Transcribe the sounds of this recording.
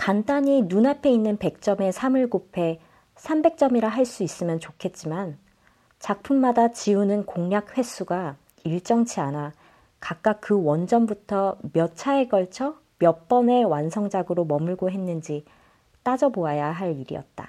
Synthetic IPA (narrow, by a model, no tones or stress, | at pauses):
kant͈aɲinunapʰe̞inːɯnpe̞k̚t͡ɕ͈ʌme̞sʰamɯɭɡopʰe̞ | sʰambe̞k̚t͡ɕ͈ʌmiɾaɦaɭs͈uis͈ɯmjʌnt͡ɕokʰe̞t̚t͡ɕ͈iman | t͡ɕak̚pʰumːadat͡ɕiunɯnkoŋɲjak̚ɸwe̞s͈ʰuɡa | iɭt͡ɕ͈ʌŋt͡ɕʰiana | kak̚k͈ak̚k͈ɯwʌnd͡ʑʌmbutʰʌmjʌt͡ɕʰae̞ɡʌɭt͡ɕʰʌ | mjʌp͈ʌne̞wansʰʌŋd͡ʑaɡɯɾomʌmɯɭɡoɦe̞nːɯnd͡ʑi | t͈ad͡ʑʌboajaɦaɭiɾḭʌ̰t̚t͈a̰